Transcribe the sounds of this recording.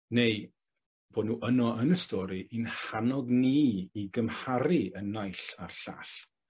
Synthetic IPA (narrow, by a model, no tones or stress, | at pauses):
nej | b̥oːdⁿnuːʔənɔənəstɔɾiʔinhanɔɡniːɡəmhaɾiənːajɬa̰rɬa̰ɬ